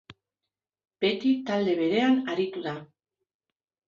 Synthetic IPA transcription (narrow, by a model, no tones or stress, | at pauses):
b̥e̞t̪it̪ald̪e̞β̞e̞ɾe̞anaɾit̪uða